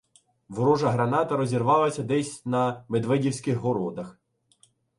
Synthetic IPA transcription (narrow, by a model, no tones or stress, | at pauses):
ʋɾɔʒɐɦɾɐnɑt̪ɐɾɔzʲirʋɑlˠɐsʲɐd̪ɛsʲnɐmed̪ʋɛdʲiwsʲkɪxɦɔɾɔd̪ɐx